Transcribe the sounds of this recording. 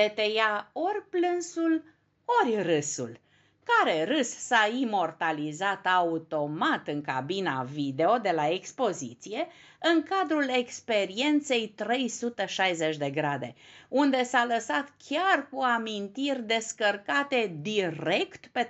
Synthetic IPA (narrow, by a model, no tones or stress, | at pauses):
et̪ejao̞rʲplɨnsul | o̞rʲrɨsṵl | kaɾe̞rɨssaimo̞rt̪alizat̪aut̪o̞mat̪ɨŋka̰bina̰vid̪e̞o̞d̪e̞lae̞kspo̞zit̪sije̞ | ɨŋkad̪ɾule̞kspe̞ɾie̞nt̪se̞jt̪ɾe̞jsut̪əʃajze̞t͡ʃʲd̪e̞ɡɾad̪e̞̰und̪e̞saləsat̪kʲarkuamint̪irʲd̪e̞skərkat̪e̞d̪ire̞kt̪pe